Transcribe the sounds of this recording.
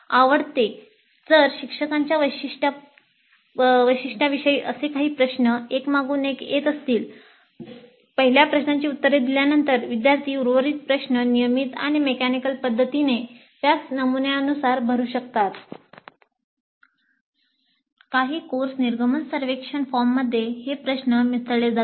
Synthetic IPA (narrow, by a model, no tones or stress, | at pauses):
aʋəɽt̪e | d͡zəɾɕikʂəkaɲt͡ɕjaʋəjɕiʂʈa | ʋəjɕiʂʈaʋiʂəiːʔəsekaɦiːpɾəɕnəekmaɡuːneket̪əst̪iːl | pəɦiljapɾəɕɳaɲt͡ɕiːut̪ːəɾed̪iljanənt̪əɾʋid̪jaɾt̪ʰiːuɾʋəɾiːt̪̚pɾəɕnənijəmiːt̪a̰ɽ̃imekænikəlpəd̪ʱːət̪ine | t̪jat͡snəmunjaənusaɾbʱəɾuːɕək̚t̪at̪ | kaɦiːkoɾsniɾɡʱəmənsəɾʋekʂəɳfɔɾmːəd̪ʱːjehepɾəɕnəmisɭed͡za